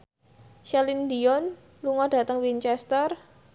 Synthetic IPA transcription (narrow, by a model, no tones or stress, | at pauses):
ʃɛlindiɔn | luŋɔd̥a̤t̪əŋwint͡ʃɛst̪ər